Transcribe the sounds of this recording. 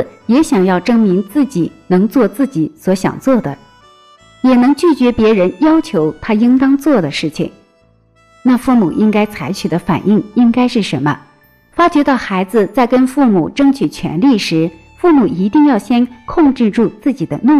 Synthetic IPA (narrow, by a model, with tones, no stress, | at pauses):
jɛ˧˥ɕjɑ˨˩ŋjɑ˥˩ʊʈ͡ʂɤ˥ŋmi˧˥ŋt͡sɹ̩˥˩t͡ɕi˨˩nɤ˧˥ŋt͡swɔ˥˧t͡sɹ̩˥˩t͡ɕi˧˥˦swɔ˧˥ɕjɑ̰˨˩ŋt͡swɔ˥˩d̪ə˩ | jɛ˨˩nɤ˧˥ŋt͡ɕy˥˩t͡ɕɥɛ˧˥pjɛ˧˥ɻə˧˥njɑ˥ʊt͡ɕʰjo˧˥ʊt̪ʰa˥i˥ŋt̪ɑ˥ŋt͡swɔ˥˩d̪ə˩ʂɻ̩˥˩t͡ɕʰḭ˨˩ŋ | na˥˧fu˥˩mu˨˩ʔi˥ŋka˥ɪt͡sʰa˧˥ɪt͡ɕʰy˨˩d̪ə˦fa̰˨˩ni˥˩ŋi˥ŋka˥ɪʂɻ̩˥˩ʂə˧˥nmə̰˧ | fa˥t͡ɕɥɛ˧˥t̪ɑ˥˩ʊxa˧˥ɪd͡zɹ̩˧t͡sa˥˩ɪkə˥nfu˥˩mu˨˩ʈ͡ʂɤ˥ŋt͡ɕʰy˨˩t͡ɕʰɥɛ̰˧˥nli˥˩ʂɻ̩˧˥ | fu˥˩mu˨˩i˧˥t̪i˥˧ŋjɑ˥˩ʊɕjɛ˥nkʰʊ˥˧ŋʈ͡ʂɻ̩˥˧ʈ͡ʂu˥˧t͡sɹ̩˥˩t͡ɕi˨˩d̪ə̰˦ni˥˧